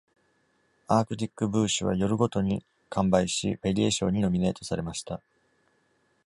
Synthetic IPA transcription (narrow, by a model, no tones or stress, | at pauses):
aːkɯ̟t̪ʲikːɯ̟bɯ̟ːɕɨβ̞a̰jo̞ɾɯ̟ɡo̞t̪o̞ɲ̟i | kʰãmbaiɕḭɸe̞ɾʲieɕõ̞̰ɲ̟ːino̞mʲine̞ːt̪o̞saɾe̞maɕi̥t̪a